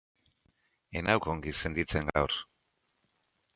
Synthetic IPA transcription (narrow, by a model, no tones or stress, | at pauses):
enawkoŋɡise̞nd̪it͡se̞ŋɡa̰wɾ